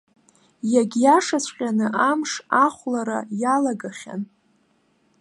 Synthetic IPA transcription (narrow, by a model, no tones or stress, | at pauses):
jaɡʲjaʂasʷʰʼqʲʼanɨʔamʂaχʷlaɾa̰jalaɡaχʲa̰n